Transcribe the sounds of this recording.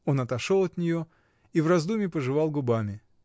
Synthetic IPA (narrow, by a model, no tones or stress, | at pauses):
o̞nɐt̪ɐʂo̞lˠɐt̪nʲɪjo̞ | ivrɐzd̪umʲɪpəʐɨvɑlˠɡʊbamʲɪ